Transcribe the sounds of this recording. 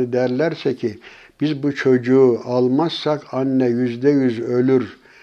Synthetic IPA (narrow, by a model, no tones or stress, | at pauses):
ɯd̪æɾlʲæɾsɛcʰi | b̥izbut͡ʃʰo̞d͡ʒuːʔalˠmazsakʰanːɛjyzd̪ɛjyzø̞lʲyɾ